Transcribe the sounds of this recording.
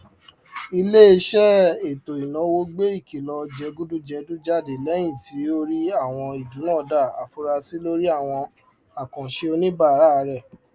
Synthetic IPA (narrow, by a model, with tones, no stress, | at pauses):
i˧le˦i˧˦ʃɛ˦e˨to˨i˨nã˨˦wo˧ɡ͡be˦i˦˨ki˨lɔ˧d͡ʒɛ˧ɡu˦du˦d͡ʒɛ˧du˦d͡ʒa˦˨de˨lɛ˦j̃ĩ˦˨ti˨˦o˦ɾi˦a˦˨w̃ɔ̃˧i˨d͡ʒũ˨˦nãː˦˨da˦˨a̰˨fu˧ɾa˧si˦lo˦ɾi˦a˦˨w̃ɔ̃˧ | a˨kã˨ʃe˧o˧nĩ˦ba˦˨ɾa˦˧˦ɾɛ˦˨